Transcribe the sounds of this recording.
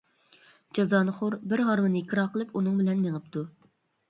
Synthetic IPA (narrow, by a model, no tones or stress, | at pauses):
d͡ʒɑzɑːnɨχʊɾbɪɾɦɑɾmɨnɨikʲʰɨɾɑqʰəlˠɨpunɨŋbɪlɛnmeŋɨp̚t̪u